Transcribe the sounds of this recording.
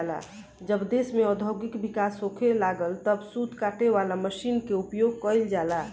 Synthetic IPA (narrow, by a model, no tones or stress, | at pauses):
la̰ | d͡ʒəbd̪esmeɔd̪ʱəwɡikbikasokʰelaɡəlt̪əbsud̪ʱkaʈeʋalaməʃinkeupjoɡ̚kəild͡ʒala